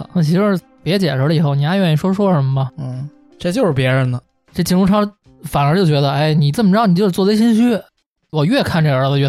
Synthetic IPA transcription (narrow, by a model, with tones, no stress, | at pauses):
a̰˨˩nɤ˥ŋt͡ɕʰi˧˥ʂ̩˥˩ | pjɛ˧˥t͡ɕjɛ˨˩ʂə˧˥ə˧i˨˩xo˥˩ʊni˨˩a˥ɥɛ˥˩n˥ʂwɔ˥ʂwɔ˥ʂə˧˥mə˧mɐ˨˧n̩˥˩ | ʈ͡ʂə˥˧˩t͡ɕjo˥˧ʊʂɻ̩˥˩pjɛ˧˥ɻə˧nə˧ | ʈ͡ʂɤ˥˩t͡ɕʰi˧˥ʈ͡ʂu˥˧ʂʰɑ˥˩ŋ | fa˨˩nə˞˧˥t͡ɕjo˥˩ʊt͡ɕɥɛ˧˥d̪ə˧e˥˩ɪni˨˩t͡sə˥˩məʈ͡ʂ̩˥˩ni˩jo˥˧ʊ˥wɔ˥˩˥ɕ̬i˥nɕ̬y˥ | wɔ˨˩ɥɛ˥˧kʰa˥˧nʈ͡ʂə˞˧˥lə˧ɥɛ˥˩